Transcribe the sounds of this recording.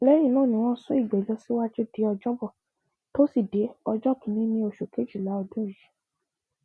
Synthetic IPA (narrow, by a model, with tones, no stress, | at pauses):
lɛ˨˦j̃ĩ˦˨nãː˦˨nĩ˨˦w̃ɔ̃˦sũ˦i˦˨ɡ͡bɛ˨lɔ˧si˦wa˦d͡ʒe˦de˨˦ɔ˧d͡ʒɔ˦bɔ˦˨ | to˦si˦˨de˨˦ɔ˧d͡ʒɔ˦˨kĩ˨˦nĩ˦nĩ˧o˧˨ʃo˨ke˨˦d͡ʒi˦˨la˨˦ɔ˧dũ˦˨ji˨˦